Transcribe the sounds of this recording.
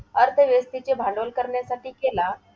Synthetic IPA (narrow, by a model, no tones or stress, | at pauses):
əɾt̪ʰəʋjəst̪it͡ɕebʱalolkəɾɳjasaʈʰiːkela